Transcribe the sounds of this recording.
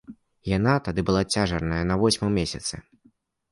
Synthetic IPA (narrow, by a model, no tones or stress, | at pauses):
jan̪at̪ad̪ɨbɨlˠat͡sʲaʐɐrnɐjɐnɐvɔsʲmɨmʲesʲɐt̪sɨ̰